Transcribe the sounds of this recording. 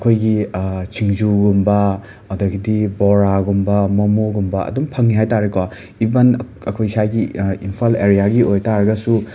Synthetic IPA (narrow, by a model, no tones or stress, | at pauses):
kʰojɡit͡ʃʰiŋzuɡumbɐ | ɐdɐɡidiboɾaɡumbɐmɐmuɡumbɐɐ̰dumpʰɐŋniɦajtaɾikwa | ibɐn | ɐkʰojsajɡiimpʰaleɾijaɡiojtaɾɐɡɐsu